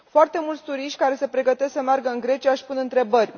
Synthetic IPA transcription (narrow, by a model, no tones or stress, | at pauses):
foart̪e̞mult̪sʲt̪uɾiʃt̪ʲkaɾe̞se̞pɾe̞ɡət̪esksəmearɡəɨŋɡɾe̞t͡ʃiaʃpunɨnt̪ɾe̞bərʲ